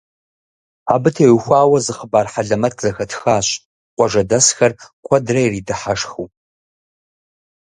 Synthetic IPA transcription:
abɨtʰejxʷaːwɐzɨχəbaːrħaɮɐmɐtʰzɐxɐtʰxaːɕʼ | qʷʼɔʐɐdɐsxɐrkʷʰɐdrajriːdɨħaʂxu

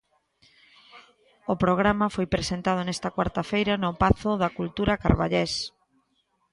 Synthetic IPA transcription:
ʊpɾoɣ̞ɾamɐfojpɾesent̪að̞ʊnɛst̪ɐkwaɾt̪ɐfejɾɐnʊpaθʊðɐkult̪uɾɐka̰ɾβa̰ʎes

